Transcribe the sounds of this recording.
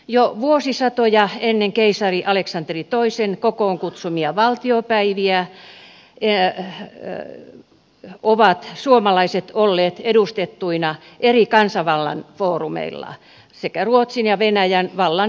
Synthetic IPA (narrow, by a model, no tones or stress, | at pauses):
joʋuosisɑt̪ojɑenːeŋkeisɑriʔɑleksɑnt̪erit̪oisenkokoːŋkut̪sumiɑʋɑlt̪iopæiʋiæ | e | oʋɑt̪suomɑlɑiset̪olːeːt̪edust̪et̪ːuinɑ | ʔerikɑnsɑʋɑlːɑ̰nfoːrumḛilːɑ̰ | sekæruot̪sinjɑʋenæjænʋɑlːɑn